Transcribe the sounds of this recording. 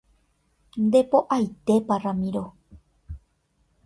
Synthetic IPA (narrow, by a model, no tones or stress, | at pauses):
nd̪epoʔajt̪eparamĩɾo